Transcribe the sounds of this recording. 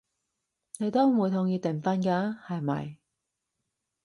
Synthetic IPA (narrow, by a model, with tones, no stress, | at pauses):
ne˨˧jt̪o˥wuː˨˧jt̪ʰʊ˧ŋjiː˧t̪ɪ˨˩ŋfɐ˧˥nkaː˧hɐ˨jmɐ̰˨j